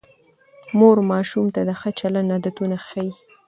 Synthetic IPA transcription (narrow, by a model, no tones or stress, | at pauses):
moɾmɑʃumt̪ad̪əxət͡ʃalanad̪at̪unaxaji